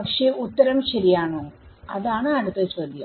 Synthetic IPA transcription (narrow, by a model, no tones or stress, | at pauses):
ɐkʂeːut̪ːɐɾɐmɕɐɾijaːɳo | ɐðaːɳɨɐɽut̪ːɐt͡ɕoːd̪ʱjɐ